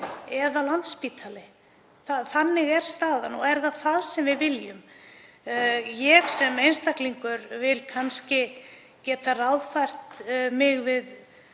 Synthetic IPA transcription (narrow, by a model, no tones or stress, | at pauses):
ɛðalant̪spiːt̪ʰalɪ | θaθanːɪɣɛɾ̥st̪aːðanɔ̰ɛɾðaðθaðsɛmvɪðvɪljʏm | jɛxsɛmejnst̪ahkliŋkʏɾvɪlkʰanscɪ | cɛːt̪arawðfajr̥t̪mɪɣvɪð